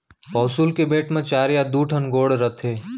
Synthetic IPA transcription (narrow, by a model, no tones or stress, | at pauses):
pɔːsuːlkebeːʈʰmẽt͡ʃaːɾjad̪uːʈʰənɡoːɽɾət̪ʰeː